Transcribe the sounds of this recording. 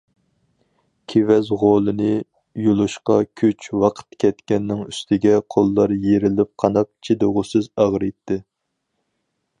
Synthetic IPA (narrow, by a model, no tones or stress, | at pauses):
kʲʰevɛzʁolˠɨnɨ | julˠuʃqɑkʲʰyt͡ʃʰwɑqʰə̥t̪kʲʰɛt̪kʲɛnːɪŋyst̪ʰɪɡʲɛqʰolˠːɑɾjeɾɪlɪp̚qʰɑnɑp̚t͡ʃʰid̪oʁʊsɨzɑʁɾɨt̪ʰːɪ